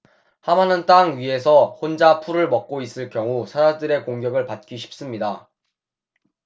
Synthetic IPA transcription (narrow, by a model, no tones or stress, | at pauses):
hamanɯnt͈aŋɥiɦe̞sʰʌhond͡ʑapʰuɾɯɭmʌk̚k͈ois͈ɯɭk͈jʌŋusʰaɾadɯɾe̞koŋɡjʌɡɯɭpat̚k͈iɕʰi̥p̚s͈ɯmɲida